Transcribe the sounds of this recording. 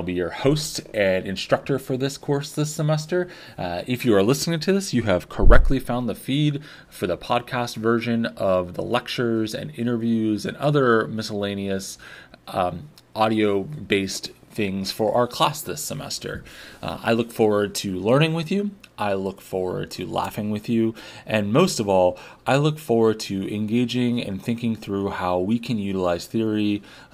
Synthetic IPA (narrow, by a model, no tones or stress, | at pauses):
ɪlˠbijə˞hoʊstɨ̃nɨ̃nstɹ̥ʌk̚tə˞fə˞ðɪskʰɔɹsðɪsəmɛstə˞ | ɨfjɨə˞lɪsnɪ̃ŋtʰɨðɪsjɨɨv̥kʰə˞ɛk̚tˡlifãʊ̃nðəfid | fə˞ðəpʰɑd̚kʰæstvɜ˞ʒɨ̃nʌvðə̰lɛk̚t͡ʃə˞zɨ̰̃nɪ̃ɾ̃ə˞vjʉzɨ̃nʌðə˞mɪsəlẽɪ̃niɨs | ʔɑɾioʊbeɪstθɪ̃ŋz̥fə˞ʔa̰ʊə˞kʰl̥æsðɪsəmɛ̰stə̰˞a̰ɪlʊkfɔɹwə˞d̚tʰɨlɜ̃˞ñɪ̃ŋwɨðjʉʔaɪlʊkfɔɹwə̰˞d̚tʰɨlæ̰fɪ̃ŋwɨðjʉʔɨ̃nmoʊstʌvɔlˠʔaɪlʊkfɔɹwə˞d̚tʰɨɨ̃nɡeɪd͡ʒɪ̃ŋɨ̰̃nθɪ̃ŋkɪ̃ŋθɹʉhaʊwikʰɨ̃njʉɾəlaɪz̥θɪɹi